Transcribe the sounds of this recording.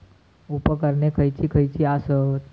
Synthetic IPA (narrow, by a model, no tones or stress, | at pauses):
upəkəɾnekʰəjt͡ʃʰikʰəjt͡ʃʰiasə